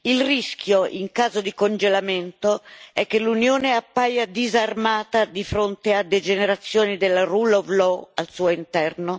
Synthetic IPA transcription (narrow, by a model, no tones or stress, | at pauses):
ilrisk̟ʰjoʔḭŋkaːzod̪ikond͡ʒelament̪oɛk̟ːelːunjoːneapːajad̪izarmaːt̪ad̪ifɾont̪ead̪ed͡ʒeneɾat̪sːjoːnid̪elarulovlɔalsuːoint̪ɛrno